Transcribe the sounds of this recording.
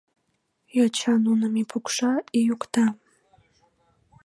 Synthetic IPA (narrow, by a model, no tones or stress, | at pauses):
jɑt͡ɕɑnunəmipʰukʃɑijukt̪ɑ